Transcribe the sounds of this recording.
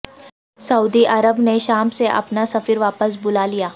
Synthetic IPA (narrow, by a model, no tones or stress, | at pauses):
sɐuːd̪iʔɐɾəbneʃaːmseʔɐ̰pnasɐfiɾʋaːpəs̬bʊlalijaː